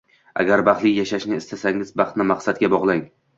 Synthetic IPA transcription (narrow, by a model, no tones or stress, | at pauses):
a̰ɡʲaɾbɑχt̪lɪjaʃaʃnɪɪst̪ʰasaŋɪzbɑχt̪nɪmaqsat̪̚ɡʲabɒʁlˠaŋ